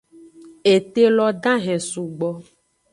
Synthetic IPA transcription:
e˨t̪e˦lɔ˦ɖã˦ɦɛ̃˨su˨ɡ͡bɔ˦

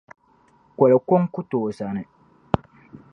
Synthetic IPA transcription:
kʷɔ˨la˨kɔ˦ŋ˦kʊ˦toː˨za˨nɨ˨

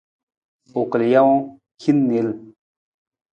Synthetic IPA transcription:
o˨klja˦w | kʰi˦nːi˨l

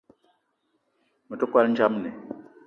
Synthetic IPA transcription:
mu˨tɔ˦kwa˦ln˦t͡ʃa˦m˦nɛ̰˨

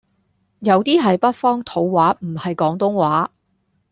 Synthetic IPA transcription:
jɐ˨˧wt̪iː˥ɦɐ˨jpɐ˥t̚fɔː˥ŋt̪ʰo˨˥wwaː˨˥m̩˨˩hɐ˨jkɔː˨˥ŋt̪ʊ˥ŋwaː˨˥

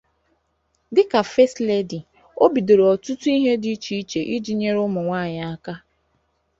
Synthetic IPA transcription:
dɪ˦ka˨fe˦stle˦di˨ | o˦bi˨de˨ɾe˨ɔ˨tʊ˦tu˦i˦ɦe˦di˦t͡ʃi˨i˦t͡ʃe˨ʔi˦d͡ʒi˦ɲe˦ɾʊ˦mʊ˨ŋʷaː˦˨ɲa˨a˦ka˦

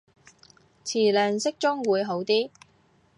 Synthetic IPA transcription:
t͡sʰiː˨˩lœː˨˩ŋsɪ˥k̚t͡sʊ˥ŋwuː˨˧jɦo˨˥wt̪iː˥

